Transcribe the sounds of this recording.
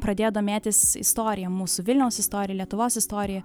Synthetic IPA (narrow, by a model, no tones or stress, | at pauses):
pɾɐd̪ʲeːjod̪oːmʲæːt̪ʲɪsɪ̰st̪oːɾʲɪjɛmuːsʊʋʲɪlʲnʲɛʊsɪst̪oːɾʲɪjɛlʲiɛt̪ʊʋoːsɪst̪oːɾʲɪjɛ